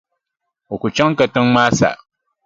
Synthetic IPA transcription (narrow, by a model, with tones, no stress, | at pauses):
o˨ku˨t͡ʃa˦ŋ˦ka˨tɨ˦ŋmaː˦sa̰˨